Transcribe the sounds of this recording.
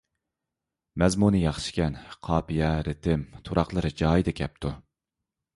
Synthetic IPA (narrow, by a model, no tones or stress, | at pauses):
mɛzmunɨjɑχʃi̥kʲɛnqʰɑːpijɛɾɪt̪ʰɪmt̪ʰuɾɑχlˠəɾɨd͡ʒɑːjid̪ɨkʲʰɛp̚t̪ʰu